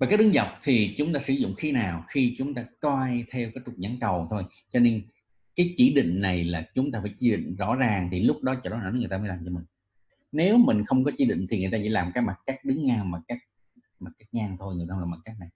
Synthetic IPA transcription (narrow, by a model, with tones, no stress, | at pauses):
va˨˩ka˦˥k̚ɗɨ˨˦ŋzə˨˩wk͡p̚t̪ʰi˨˩t͡ɕʊ˨˦ŋ͡mt̪aː˧sɨ˧˦zʊ̰˧˨ŋ͡mxi˨˦naː˨˩wxi˧t͡ɕʊ˨˦ŋ͡mt̪aː˧kwaː˧jt̪ʰɛ˧wkaː˨˦jkʊ˨˩k͡p̚ɲa˨˦ŋkə˨˩wt̪ʰo˧j | t͡ɕɔ˧ne˧n | kaː˨˦jt͡ɕi˧˩ɗḭ̈˧˨ŋ̟na˨˩jlaː˨˩t͡ɕʊ˨˦ŋ͡mt̪aː˧˩faː˧˩˦jt͡ɕi˧˦ɗḭ˧˨ŋ̟zɔ̰˧˥zaː˨˩ŋt̪ʰi˨˩lʊ˦˥k͡p̚ɗɔ˨˦t͡ɕɔ˧ɗɔ˨˦nɔ̰˧˥n˨˦ŋ˨˩t̪aː˧mː˨˦jlaː˨˩mt͡ɕɔ˧mï˨˩ŋ̟ | ne˨˦wmï˨˩ŋ̟xə˧wŋ͡mk̬ɔ˨˦t͡ɕi˧˩ɗḭ̈˧˨ŋ̟t̪ʰi˨˩ŋɨ˨˩əjt̪aː˧t͡ɕḭ˧˦laː˨˩mkaː˦˥kma˨˩t̚kaː˦˥k̚ɗɨ˨˦ŋːaː˧wmaː˨˩kaː˦˥k̚ | ma˨˩kːaː˦˥k̚ɲaː˧ŋt̪ʰo˧jŋɨ˨˩t̪aː˧laː˨˩ma˨˩t̚kaː˦˥k̚na˨˩j